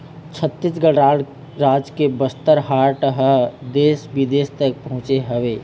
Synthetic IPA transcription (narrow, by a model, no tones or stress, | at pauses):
t͡ʃʰət̪ːɪsɡəɽaːɽ | ɾaːd͡ʒkebəst̪əɾɦaːɾʈəɦəd̪eːsʋɪd̪eːst̪ək̚pɐɦʊ̃t͡ʃeɦɐʋeː